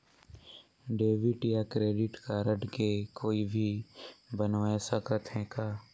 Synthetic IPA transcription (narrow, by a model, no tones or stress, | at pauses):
ɖeːʋɪʈjakɾeːɖɪʈkaɾəɖkekoːibʱibənʋaesəkət̪ɦɛ̃kaː